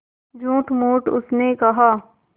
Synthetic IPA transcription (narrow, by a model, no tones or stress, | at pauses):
d͡ʒõːʈmoːʈʊsnekɐɦaː